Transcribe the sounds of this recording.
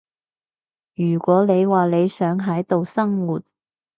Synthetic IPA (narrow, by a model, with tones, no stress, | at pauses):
jyː˨˩kʷɔː˨˥le˨˧jwaː˨le˨˧jsœː˨˥ŋɦɐ˨˥jt̪o˨wsɐ˥ŋwuː˨˩t̚